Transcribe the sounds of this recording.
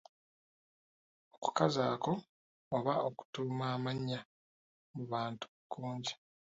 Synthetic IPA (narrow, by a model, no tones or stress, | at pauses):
oku̥kazaːko̞ː | βaoku̥tuːmwaːmaɲːa | muβaːntu̥kːuːɲɟi̥